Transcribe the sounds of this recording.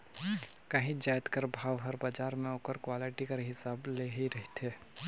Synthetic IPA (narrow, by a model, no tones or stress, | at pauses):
kɐɦĩd͡ʒaːjt̪kəɾbʱaːʋɦəɾbad͡ʒaːɾmẽoːkəɾkwaːlɪʈikɐɾɦɪsaːbleɦiɾɐɦt̪ʰeː